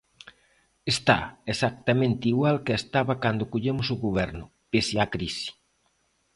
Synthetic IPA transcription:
est̪a̰esak̚t̪amẽnt̪ɪiɣwalkeest̪aβakand̪ʊkuʎemʊsʊɣoβ̞ɛɾnʊ | peseakɾisi̥

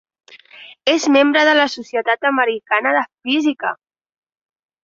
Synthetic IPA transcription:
ezmembɾəðələsusiət̪at̪əməɾikanəðəfizikə

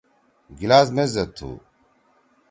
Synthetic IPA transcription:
ɡilaːs̬mezɐt̪ʰːṵ

